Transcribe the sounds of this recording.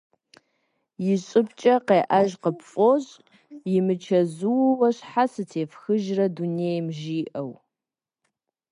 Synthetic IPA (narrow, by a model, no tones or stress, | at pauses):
jɪɕʼɪpt͡ʃʼɐqeːʔɐʒqəpfʼoɕʼ | jɪmɨt͡ʃʰɐzuwwɐɕħasɨtʰeːfxɨʒrɐdunejmʒiːʔɐw